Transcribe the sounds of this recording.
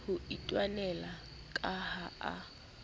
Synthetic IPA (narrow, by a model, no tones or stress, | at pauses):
hʊitʼwanɛla | kʼahaa̰